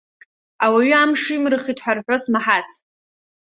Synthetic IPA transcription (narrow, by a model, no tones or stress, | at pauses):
awaɥʏamʂijmrɨχitʰʼħʷᶣarħʷᶣosmaħat͡sʰ